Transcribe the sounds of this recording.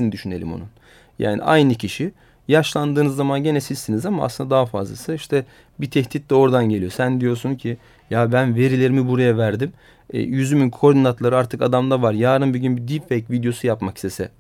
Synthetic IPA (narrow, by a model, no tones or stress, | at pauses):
inid̪yʃyne̞lʲḭmo̞̰nun | ja̰ːnḭʔa̰jnɯcʰiʃi | jaʃlˠand̪ɯːnɯzːamanɟenesizsinizamaa̰sɯnd̪ad̪aɦafa̰zlˠa̰sɯiʃt̪ʰɛ | bit̪ʰɛht̪ʰit̪lʲɛo̞ɾd̪anɟe̞lʲijo̞sænd̪ijo̞ɾsuncʰi | jabænve̞ɾilʲeɾimibuɾajavæɾd̪im̰ː | jyzymynʰo̞ɾd̪inat̪lˠaɾɯaɾt̪ʰɯkad̪amd̪ˠavaɾjaːɾɯnbyɟynbid̪ipfejcvid̪jo̞sujapmaki̥st̪esɛ̰